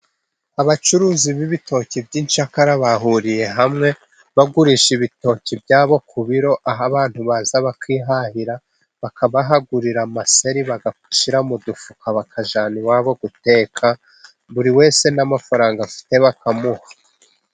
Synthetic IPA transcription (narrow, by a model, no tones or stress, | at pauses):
aβat͡ʃuɾuːziβiβitʰo̞ːcibɟiːnt͡ʃakaɾaβaɦuɾije̞ɦamŋe̞ | βaɡuɾiʃiβito̞ːcibjaːβo̞kʰuβiɾo̞ʔaɦaβaːn̥huβaːzaβakwiːɦahiɾa | βakʰaβaɦaɡuɾiɾamase̞ɾiβaɡak̚u̥ʃiɾamudufukʰaβakʰaʒaːniwaːβo̞ɡute̞ːkʰa | βuɾiwe̞ːse̞namafaɾaːŋɡafi̥te̞βakamuhḁ